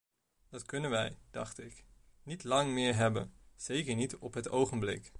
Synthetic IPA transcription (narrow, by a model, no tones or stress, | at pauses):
d̥ɑtkɵnənʋɛjd̥ɑ̰χtɪk | nitlɑŋmɪːɹɦɛbə̰nz̥ejkəɹnitɔpɦətowχənblɪ̰k